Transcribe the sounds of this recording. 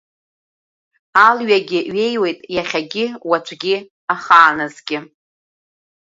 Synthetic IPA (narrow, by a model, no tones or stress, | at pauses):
alɥaɡʲɪɥe̞jwe̞jtʼjaχʲaɡʲɪwat͡ʃʷʰʼɡʲɪ | aχaːnɨzɡʲɪ